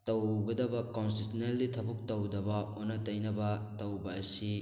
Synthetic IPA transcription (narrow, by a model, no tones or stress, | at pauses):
tɐwbɐdɐbɐkonstisnelːitʰɐbuk̚tɐwdɐbɐonːɐtɐjnɐbɐtɐwbɐːsi